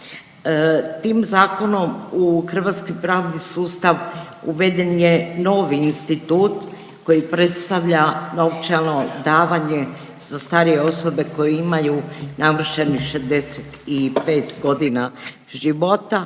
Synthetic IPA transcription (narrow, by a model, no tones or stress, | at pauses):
t̪iːmzaːko̞no̞muxr̩ʋat̪skojpɾaːʋd̪isuːst̪aʋ | uʋe̞d̪e̞njeno̞ːʋiːnst̪it̪uːt̪ | ko̞jipɾe̞t̪st̪aʋʎanoft͡ʃalno̞d̪aːʋaɲe̞ | z̥ast̪aːɾije̞o̞so̞be̞ko̞jeimajunaʋr̩ʃenixʃezd̪e̞set̪ipe̞ːt̪ɡo̞d̪ina | ʒiʋo̞t̪a